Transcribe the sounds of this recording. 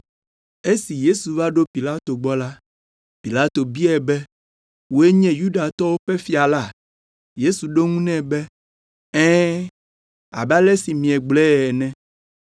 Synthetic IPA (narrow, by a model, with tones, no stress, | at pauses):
e˦si˨je˦su˨va˦ɖo˦pi˨la˦t̪o˨ɡ͡bɔ˦la˦ | pi˨la˦t̪o˨bi˦ɛ˨bɛ˦ | wo˦e˦ɲɛ̃˦ju˦ɖa˨t̪ɔ˦wo˦ɸɛ˦fi˦a˨la˦˨ | je˦su˨ɖo˦ŋũ˦nɛ̃˦bɛ˦ | ɛ̃˦ | a̰˨ba˦lɛ˦si˨mĩ˨ɛ˨ɡ͡blɛ˦˨ɛ˨nɛ̃˦